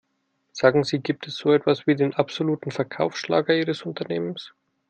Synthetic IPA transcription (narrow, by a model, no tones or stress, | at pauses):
z̥aːɡŋ̩ziːɡiːp̚tʰɛsz̥oːɛtv̥asv̥iːdeːnʔapz̥oluːtn̩fɛɐkʰaʊfʃla̰ːɡɐiːʁəsʊntɐneːməns